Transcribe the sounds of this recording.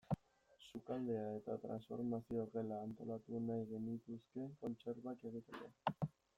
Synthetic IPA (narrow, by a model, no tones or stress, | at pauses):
sukald̪e̞ae̞t̪a̰t̪ɾa̰nsfo̞̰ɾmasiore̞laːnt̪o̞̰lat̪unajɣe̞nit̪uske̞ŋko̞nt͡se̞ɾβake̞ɣ̞it̪eko̰